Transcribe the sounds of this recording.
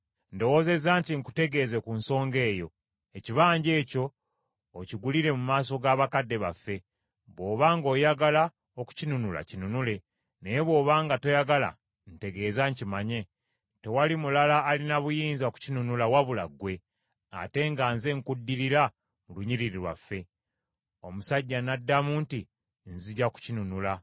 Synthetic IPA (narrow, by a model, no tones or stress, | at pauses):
ndo̞wo̞ze̞zaːntiŋku̥te̞ɡe̞ze̞kunso̞ːŋɡe̞ːjo̞ | eciβaːɲɟe̞ːco̞ː | ciɡuliɾe̞mumaːso̞ɡaːβakadːe̞βa̰fːe̞ | βwo̞ːβaːŋɡo̞ːjaɡala | oku̥cinunula̰cinunule̞ | ne̞jeβwo̞ːβaːŋɡato̞jaɡala̰ | n̩te̞ɡe̞ːzaɲcimaɲe̞ | te̞walimulalaːlinaβujiːnzaku̥cinunulawaβulaɡwe̞ | a̰te̞ŋɡaːnze̞ŋkudːiɾiɾa | muluɲiɾiɾiɾwa̰fːe̞ | o̞musaɟːanadːamuːnti | nziɟaku̥cinunula